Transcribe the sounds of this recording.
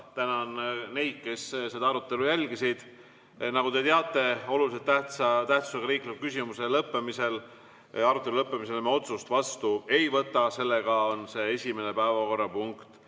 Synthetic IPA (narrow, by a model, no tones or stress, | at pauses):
t̪ænɑnne̞jd̪̥̚ke̞sse̞d̪ɑɑɾut̪ːˑe̞lujælʲɡisid̪̥ | nɑɡut̪e̞t̪eɑt̪ːˑe̞o̞lulis̬et̪ːæht̪sɑt̪æht̪su̥seɡɑɾiːklikukys̬ʲimuse̞lɤpːemise̞l | ɑɾut̪ːˑe̞lulɤpːemis̬e̞lmeo̞t̪sust̪vɑst̪ue̞jvɤt̪ːˑɑse̞lːeɡ̥ɑo̞nse̞e̞sʲime̞nepæevɑko̞rːɑpuŋkt̪